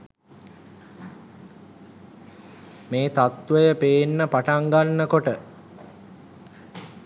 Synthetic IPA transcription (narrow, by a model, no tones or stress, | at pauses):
meːt̪at̪ʋəjəpeːnːəpaʈaŋɡanːəkoʈə